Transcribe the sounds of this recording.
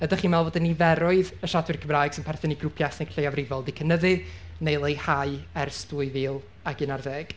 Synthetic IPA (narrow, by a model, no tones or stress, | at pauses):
ədaχiːnmɛlˠvoːdɪnivɛɾʊɨðəʃadwɨrkʰəmraːjɡ̥sɪnpʰɛrθɪniɡrʊpʰjasnekɬejavrɪvɔlˠdikʰənəðɨnejlˠejhaɨɛrstuɨviːlˠ | aɡɪnarðeːɡ̥